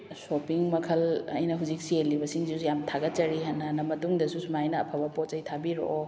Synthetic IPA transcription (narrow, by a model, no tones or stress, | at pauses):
sopiŋmɐkʰɐlɐ̰jnɐɦuzik̚sielːibɐsiŋsiusujamtʰaɡɐt͡ʃɐɾiɦanːɐhanɐmɐtuŋdɐsusumajnɐːpʰabɐpot̚ɐjtʰabiɾo̰ʔo